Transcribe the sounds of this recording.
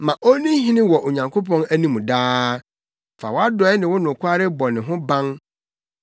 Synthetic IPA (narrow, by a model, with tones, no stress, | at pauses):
mã˨ʔo˦nĩ˦ɦĩ˦nɪ̃˦wɔ˨ʔo˨ɲã˨ŋkʰo˦pʰɔ̃˦næ˦nĩ˦mũ˨daː˦ | fa̰˨wɔ˦a˦dɔ˦ɛ˦nɪ̃˨wʊ˦nʊ̃˨kʰʷʊ˦a˦ɾɪ˦bɔ˨nɪ̃˨ɦʊ̃˦bã˦n